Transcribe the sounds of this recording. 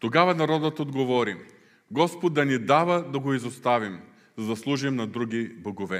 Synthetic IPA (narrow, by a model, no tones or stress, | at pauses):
t̪oɡavɐnɐɾɔd̪ət̪od̪ɡovɔɾi | ɡɔspot̪̚d̪ːɐnid̪avəd̪ɐɡoizost̪avim | zɐd̪ɐslˠuʒimnɐd̪ɾuɡiboɡovɛ